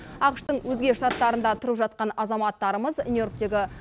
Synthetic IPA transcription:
ɑqʃt̪əɴwʔɵzɡʲe̞ʃt̪ɑt̪ːɑɾənd̪ɑt̪ʰʊɾəpʒɑt̪̚qɑnɑzɑmɑt̪ːɑɾəməznujo̞rk̚t̪e̞ɡʲɪ

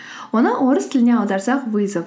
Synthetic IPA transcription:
wonəʔoɾəst̪ʰɪlɪneɑwˠd̪ɑɾsɑqbujzəp

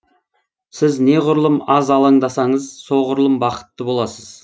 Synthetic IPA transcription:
sɪzne̞ʁʊɾlˠəmɑzɑlˠəɴd̪ɑsɑɴəzso̞ʁʊɾlˠəmbɑqə̥t̪ːəbo̞lˠɑsəz̥

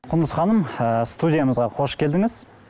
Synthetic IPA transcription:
qʰʊnd̪əsχɑnəməst̪ud̪ʲijaməzʁɑqʰo̞ʃkʲʰe̞ld̪ɪŋɪz̥

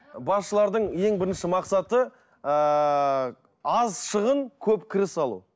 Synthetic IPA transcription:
bɑsʃəlˠɑɾd̪əɴje̞ŋbɪɾɪnʃɪmɑqsɑt̪ə | ɑzʃəʁəɴkʲʰɵpkʲʰɪɾɪsɑlˠṵ

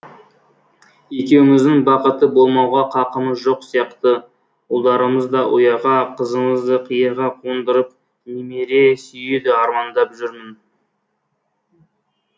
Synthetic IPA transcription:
e̞kʲe̞wɪmɪzd̪ɪŋbɑqət̪əbo̞lˠmɑwʁɑqʰɑqəməzʒo̞qsijɑqt̪ə | olˠd̪ɑɾəməzd̪ɑʔʊ̰jɑʁɑqʰəzəməzd̪əqʰəjəɾʁɑqʰond̪əɾəp̚ | nemeɾe̞sʏjed̪ɪɑɾmɑnd̪ɑpʒʏɾmɪn

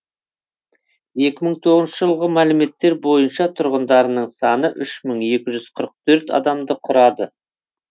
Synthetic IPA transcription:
je̞kʲɪməɴt̪ʰo̞ʁznʃəʒəlˠʁəmælɪme̞t̪ːe̞ɾbo̞jənʃɑt̪ʰʊɾʁənd̪ɑɾənəɴsɑnəʔʏʃməɴe̞kʲɪʒʏz̥qʰəɾəq̚t̪ʰɵɾt̪ɑ̰d̪ɑmd̪əqʰʊɾɑd̪ə

